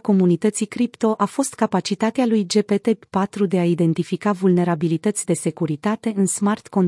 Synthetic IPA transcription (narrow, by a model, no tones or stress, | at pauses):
ko̞munit̪ət̪sikɾipt̪o̞ʔafo̞st̪kapat͡ʃit̪at̪ealujd͡ʒe̞pe̞t̪e̞pat̪ɾud̪e̞aid̪e̞nt̪ifikavulne̞ɾabilit̪ət̪sʲd̪e̞se̞kuɾit̪at̪e̞ɨnsmart̪ko̞n